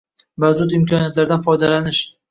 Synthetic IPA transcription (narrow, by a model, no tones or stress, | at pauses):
vazʊt̪ɪmkʰɒnijat̪laɾd̪anfɒjd̪alanɪʃ